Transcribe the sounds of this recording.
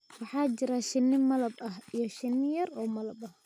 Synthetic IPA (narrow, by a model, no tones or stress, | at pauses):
wɑħɑːt͡ʃɪɾaʃɪnːɪmɐlɐbɐɦijɞʃɪnːɪjɐɾɔːmɐlɐbɐh